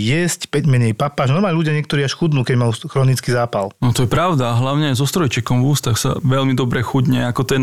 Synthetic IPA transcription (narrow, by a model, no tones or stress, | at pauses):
jɛscpɛɟmɛɲɛjpapaʒnɔɾmaːluɟɪaɲɪɛkt̪ɔɾiːaʃxud̪nuːkɛɟmajuxɾɔnit͡skizaːpa̰lnɔt̪ɔjɛpɾaʊd̪aːɦlaʊɲɛajzɔst̪ɾɔjt͡ʃɛkɔmvuːst̪axsa̰ʋɛlmid̪ɔbɾɛxuɟɲɛakɔt̪ɔjɛ